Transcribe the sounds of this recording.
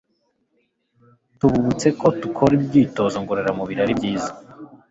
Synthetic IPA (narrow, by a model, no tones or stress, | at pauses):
tuβuβut͡se̞kʰo̞tukʰo̞ɾibɟiːto̞zoŋɡoɾeɾamuβiɾaɾibɟiːzḁ